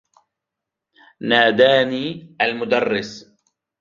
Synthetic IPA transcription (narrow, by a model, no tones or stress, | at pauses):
naːd̪aːniːʔalmʊd̪ɑrˤːɪs